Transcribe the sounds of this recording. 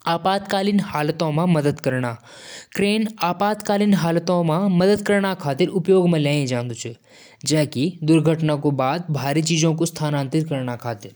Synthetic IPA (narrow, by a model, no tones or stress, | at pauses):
aːpaːt̪kaːlinhaːlət̪õmãməd̪əd̪kəɾɳaː | kɾeːnaːpaːt̪kaːlinɦaːlt̪õmãməd̪əd̪kəɾɳ̃akʰaːt̪ɪɾʊpjoːɡmãlãːĩd͡ʒãːnd̪ut͡ʃʰe | d͡ʒɛ̃ːkid̪ʊɾɡʱəʈnakobaːd̪̚bʱaːɾit͡ʃiːd͡ʒõkost̪ʰaːnãːnt̪iɾkəɾɳakʰaːt̪ɪɾ